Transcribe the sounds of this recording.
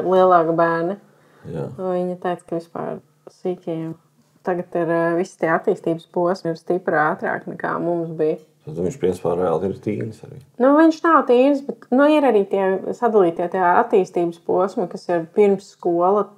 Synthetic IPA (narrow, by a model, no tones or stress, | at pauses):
lˠiɛlˠɑːkbæːɾnɐ | ja̰ːviɲɐt̪ɛjt̪skɐʋispa̰ːɾ | siːtʲim | t̪aɡɐt̪iɾvist̪iɛat̪ːiːst̪iːbəspuɔsmɪɾst̪ipɾaːt̪ɾa̰ːknɛka̰ːmumsbij | t̪at̪uiɲʃpɾiɛspa̰ːɾɛa̰lˠt̪iɾt̪ḭːnsa̰ɾḭː | nuviɲʃnawt̪iːnsbɛt̪nuiɾaɾiːt̪iɛsad̪alˠiːt̪ijt̪ajaat̪ːiːst̪iːbəspuɔsmɐkasiɾpiɾmsːkuɔlˠə